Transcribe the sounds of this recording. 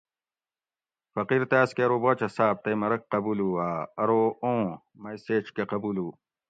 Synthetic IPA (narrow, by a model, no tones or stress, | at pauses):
fɐqiɾt̪eaːskeɐɾoːbot͡ɕɐsaːb̚t̪emɐɾɐk̚qɐbuːluaːɐɾoõː | mɐjseːt͡ʃkeqɐbuːluː